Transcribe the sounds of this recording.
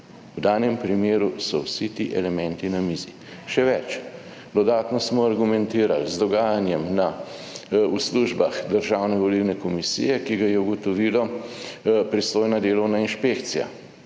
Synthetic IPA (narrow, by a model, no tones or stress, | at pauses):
wd̪aːnjɛmpɾimeːɾusɔwsit̪iʔɛlɛmɛ̃nt̪inamiːzi | ʃɛʋɛt͡ʃ | d̪ɔd̪aːt̪nɔsmɔaɾɡumɛnt̪iːɾa̰lzd̪ɔɡaːjanjɛmna | usluʒbaxd̪əɾʒawnɛʋɔliwnɛkɔmisḭjɛkiɡajɛuɡɔt̪ɔʋilɔ | pɾist̪oːjnad̪eːlɔwnainʃpekt̪sija̰